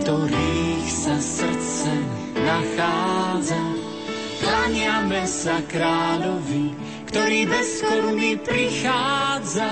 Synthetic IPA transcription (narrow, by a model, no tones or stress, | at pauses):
t̪ɔɾiːxsasr̩t͡sɛ | naxaːd͡za | plaɲɪamɛsakɾaːlɔvi | kt̪ɔɾiːdɛskunipɾixaːd͡za